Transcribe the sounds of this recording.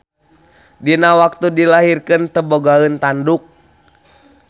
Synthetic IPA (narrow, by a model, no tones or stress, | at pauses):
dinawak̚t̪udilaɦirkɨnt̪əboɡaənt̪anduk̚